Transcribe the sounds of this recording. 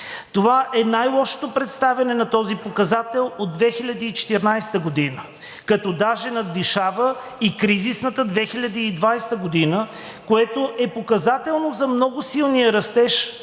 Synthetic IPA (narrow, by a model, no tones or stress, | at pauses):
t̪ovaʔɛnajlˠɔʃo̥t̪opɾɛt̪st̪avʲɐnɛnɐt̪ɔzipokɐzat̪ɛlˠod̪̚d̪vɛxilʲɐd̪iːt͡ʃɛ̥t̪ɛɾnajst̪əɡod̪inə | kɐt̪ɔd̪aʒɛnɐd̪̚liʃavə | ikɾizisnət̪əd̪vɛxilʲɐd̪iːd̪vajst̪əɡod̪inə | koɛt̪oʔɛpokɐzat̪ɛlˠnozɐmnɔɡʊsilˠnijəɾɐst̪ɛʃ